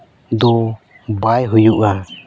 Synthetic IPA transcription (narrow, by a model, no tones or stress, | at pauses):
d̪ɔ | bajɦujuʔa